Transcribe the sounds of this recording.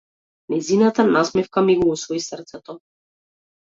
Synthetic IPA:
nɛjzinat̪anasmɛfkamiɡuusvɔisrt̪sɛt̪ɔ

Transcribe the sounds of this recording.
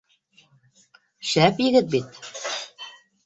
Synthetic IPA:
ʃæpjɘ̆ɡɘt̪̚bit̪

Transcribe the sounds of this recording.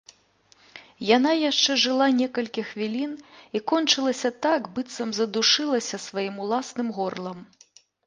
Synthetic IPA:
jan̪ajaʂt͡ʂɛʐɨlˠanʲɛkɐlʲkʲixvʲilʲinikɔnt͡ʂɨlˠɐsʲɐt̪akbɨt̪sɐmzɐd̪uʂɨlˠɐsʲɐsvajimulˠasnɨmɣɔrlˠɐm

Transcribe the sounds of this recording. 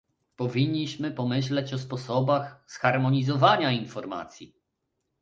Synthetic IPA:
pɔvʲiɲːiɕmɘpɔmɘɕ̬lɛt͡ɕɔspɔsɔbaxsxaɾmɔɲizɔvaɲainfɔɾma̰t̪sʲji

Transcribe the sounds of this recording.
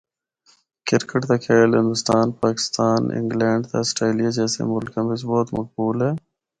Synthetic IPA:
kɪɾkəʈt̪akʰeːlɦɪ̃nd̪ʊst̪aːnpaːkɪ̥st̪aːnɪ̰ŋɡlɛːɳɖt̪a̰ɪsʈɾeːlijad͡ʒɛːsḛmʊlkambɪsbɔːt̪mɐ̰k̚buːlɦɛː

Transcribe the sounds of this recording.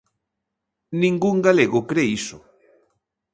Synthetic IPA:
nĩŋɡuŋɡaleɣʊkɾeisʊ

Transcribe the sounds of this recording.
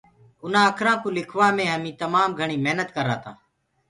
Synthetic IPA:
ʊnãːəkʰɾãːkũːlɪkʰʋaːmẽːɦəmĩːt̪əmaːmɡʱəɳ̃iːmeɦnət̪kəɾa̰ːt̪aː

